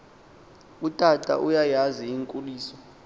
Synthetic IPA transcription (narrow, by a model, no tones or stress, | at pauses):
utʼatʼa̰ʔujajaziiŋkʼuliːsɔ